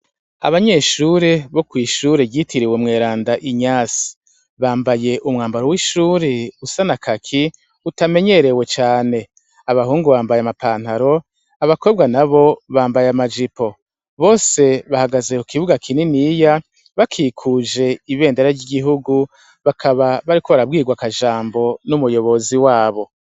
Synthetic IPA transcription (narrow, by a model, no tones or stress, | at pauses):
a̰βaɲe̞ːʃuːɾe̞βo̞kwiːʃuːɾebɟitʰiɾiwemŋe̞ːɾaːndaʔiɲaːsi̥ | βaːmbaje̞ʔumŋaːmbaɾowiʃuːɾeusanakʰakʰi | utame̞ɲe̞ɾewe̞t͡ʃaːne̞ | aβahuːŋɡuβaːmbajamapaːn̥haɾo̞ | aβako̞b̚ɡanaβo̞βaːmbajamad͡ʒipo̞ | βo̞ːse̞βahaɡaze̞ukiβuɡakʰininija | βakʰiːkʰuʒe̞iβe̞ːndeɾaɾɟiɡiɦuɡu | βakʰaβaβaɾikoβaɾab̚ɡiːɡwakaʒaːmbo̞numujo̞βo̞ziwaːβo̞